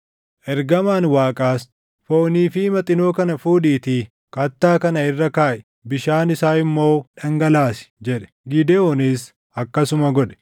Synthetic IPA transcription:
ʔɛɾɡɐmaːnwaːkʼaːs | foːniːfɪmɐt̪ʼɪnoːkɐnɐfuːdiːt̪iː | kɐt̪ːaːkɐnɐɪrːɐkaːʔɛ̥ | bɪʃaːnɪsaːɪmːo̞ːᶑɐŋɡɐlaːsɪ̥d͡ʒɛᶑɛ̥ɡɪd̪eɔniːs | ɐkːɐsʊmɐɡɔᶑɛ̥

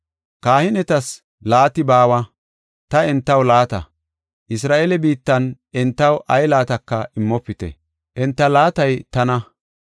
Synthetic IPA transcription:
kaːhɪnɛt̪ɐs | laːt̪ɪbaːwɐ | t̪ɐɛnt̪ːɐwlaːt̪ɐ̰ | ʔɪs̬ɾaːʔelɛbiːt̪ːɐn | ɛnt̪ːɐwʔɐjlaːt̪ɐkːɐʔɪmːɔpːɪt̪ɛ̰ | ʔɛnt̪ːɐlaːt̪ɐjt̪ɐnɐ

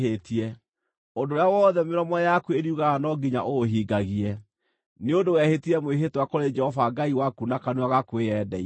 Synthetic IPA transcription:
etiɛ | odoɾjawɔðɛmeɾɔmɔjakweeɾiuɣaɣanɔɡiɲaʔoɦiːɡaɣiɛ | neondowɛhetiɛmweɦetwakoɾed͡ʒɛhɔvaɡaiwakunakanuaɣakwejɛdɛi

